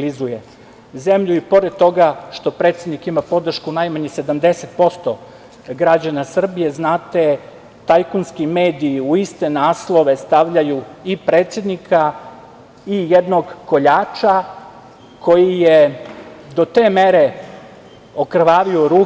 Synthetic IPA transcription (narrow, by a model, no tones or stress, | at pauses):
lizuje | ze̞mʎuipo̞ɾed̪̚t̪o̞ɡaʃt̪o̞pɾe̞ːt̪sjed̪nikimapo̞d̪r̩ʃkunajmaɲese̞d̪amd̪e̞se̞t̪̚po̞st̪o | ɡɾad͡ʑanasr̩bije̞znaːt̪e | t̪ajkunskime̞ːd̪iːuist̪e̞naːslˠo̞ʋe̞st̪aʋʎajuipɾeːt̪sʲje̞d̪nikʰa | ijed̪no̞ɡko̞ʎaːt͡ʃa | kʰo̞jije | d̪o̞t̪e̞ːmeɾe | okr̩ʋaːʋioɾuː